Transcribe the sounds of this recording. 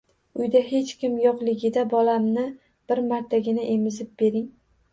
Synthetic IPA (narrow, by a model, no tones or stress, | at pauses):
ʊjd̪aɦe̞t͡ʃkʲɪmjɒqlˠɪɡʲɪd̪abɒlamnɪ | b̥ɪɾmaɾt̪ʰaɡʲɪnaʔe̞mɪzɪp̚b̥e̞ɾɪŋ